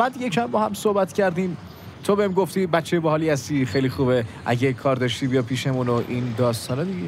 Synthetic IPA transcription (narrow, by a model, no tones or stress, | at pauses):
bæːd̪jecʰæmbɒːhæmsohbæt̪cʰæɾd̪iːm | t̪ʰobeimɡo̞ft̪iːbætt͡ʃʰːejbæhɒːliːhæst̪iːxejlixuːbeʔæ̰ɟekʰɒːɾd̪ɒːʃt̪iːbijɒpʰiːʃemunoʔind̪ɒːst̪ʰɒːned̪iɟe